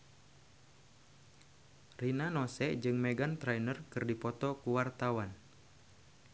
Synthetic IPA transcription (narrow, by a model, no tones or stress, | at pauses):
rinanɔsɛʔd͡ʒɨŋmɛɡant̪ɾajnərkɨrdipɔt̪ɔkuwart̪awan